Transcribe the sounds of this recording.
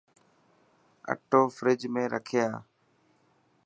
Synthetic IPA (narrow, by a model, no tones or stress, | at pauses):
ə̰ʈoːfɾɪd͡ʒmẽːɾʔəkʰɪjaː